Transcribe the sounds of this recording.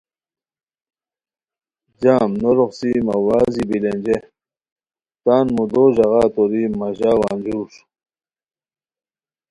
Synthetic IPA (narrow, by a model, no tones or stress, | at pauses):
d͡ʑaːmnoɾoχsimɐwaːzibilenʲd͡ʑe | t̪aːnmud̪oʑɐɣaːt̪oɾimɐʑaːwa̰ːnd͡ʑuːʂ